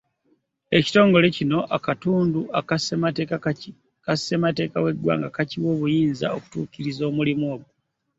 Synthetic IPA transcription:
e̞ci̥to̞ːŋɡo̞le̞cino̞ʔakatuːnduakasematk | kase̞mate̞ːkawe̞dwa̰ːŋɡakaciwo̞ːβujiːnza̰o̞ku̥tṵːkiɾizo̞ːmulimwo̞ːβu

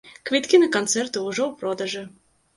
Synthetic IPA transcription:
kʋʲit̪kʲinɐkɔnt̪sɛrt̪ʊːʐɔwpɾɔd̪ɐʒɨ

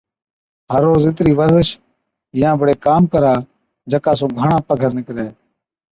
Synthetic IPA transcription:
ɦəɾːoːzɪt̪ɾiːʋəɾzɪʃ | jãːbʱəɽeːkaːmkəɾaː | d͡ʒəkaːs̬õːɡʱəɳãːpəɡʱəɾnɪkɾeː

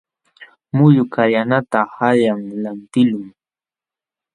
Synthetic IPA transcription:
mʊʎʊkajanat̪ahaʎaŋlant̪ɪlʊŋ

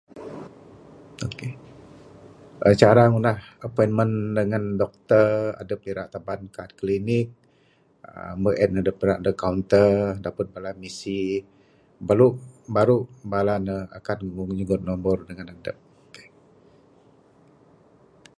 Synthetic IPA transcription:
oke | ʔət͡ʃaɾaŋunahəpɔjnməndəŋandɔk̚t̪əra̰dəp̚liɾaʔt̪abankaːt̪̚klinɪk̚ | ə̰mbəʔɛnadəp̚ɾaʔdəkawnt̪ərdapət̪̚balamisi | baɾubaɾubalanəa̰kanuɲəɡʊt̪̚nɔmbɔrdəŋanadəp̚oke̥

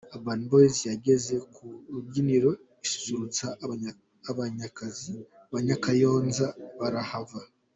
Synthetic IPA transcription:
abanbojzijaɟe̞ze̞kuɾubɟiniɾo̞ | isu̥suɾut͡saː | βaɲakazi | aβaɲakajo̞ːnzaβaɾahava

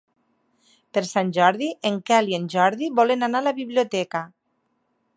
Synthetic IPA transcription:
peɾsanʲʒɔɾðiʔeŋkalienʲʒɔɾðiβɔlenanalaβiβliot̪ɛka

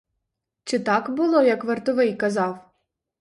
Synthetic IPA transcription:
t͡ʃɪt̪ɑkbʊlˠɔjɐkʋert̪ʊʋɪjkɐzɑw

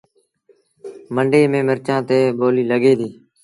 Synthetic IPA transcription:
məɳɖeːmẽːməɾt͡ʃãːt̪eːboːliːləɡeːd̪iː

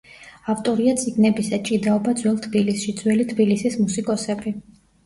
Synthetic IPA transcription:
aft̪ʼɔɾiat̪sʼiɡnɛbisat͡ʃʼid̪aɔbad̪zwɛlˠt̪ʰbilisʃid̪z̥wɛlit̪ʰbilisismusikʼɔsɛbi

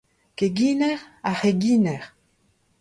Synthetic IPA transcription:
keɡiːnɛʁaheɡiːnɛʁ

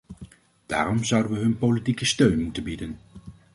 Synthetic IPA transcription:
d̥a̰ːrɔmzʌwdənʋəɦɵnpolitikəstøɥnmutənbidən

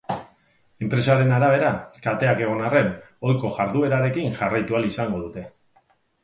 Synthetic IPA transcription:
e̞mpɾe̞saɾe̞naɾaβ̞e̞ɾakalt̪e̞ake̞ɣ̞o̞nare̞n | o̞jko̞ʝaɾðue̞ɾaɾe̞kinʝarajt̪ualisaŋɡo̞ðut̪e̞

